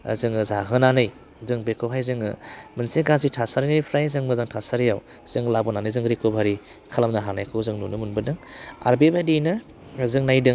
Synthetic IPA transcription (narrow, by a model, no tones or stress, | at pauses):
ɐ̰zɯŋɯzaɦɯnanɯj | zɯŋbekʰoɦʰajzɯŋɯ̰mɯnseɡazitʰasaɾinajpʰɾajzɯŋmɯzaŋtʰasaɾijaw | z̥ɯŋlabɔnanɯjzɯŋɾikʰobʱaɾi | kʰalamnaɦanajkʰɯwzɯŋnunɯmunbɯdɯŋa̰ɾbebadinɯ | zɯŋnajdɯ